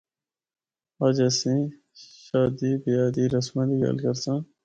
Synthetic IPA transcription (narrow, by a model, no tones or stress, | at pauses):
aːd͡ʑɐsĩ | ɕaːd̪iːbijɑːd̪iːɾɐsmãd̪iɡɐ̰lkɐɾsãː